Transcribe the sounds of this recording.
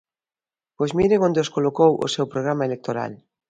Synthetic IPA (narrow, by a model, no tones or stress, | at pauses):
b̥ojzmiɾeŋond̪eoskolokowʔo̰sewpɾoɣ̞ɾamaelek̚t̪oɾa̰l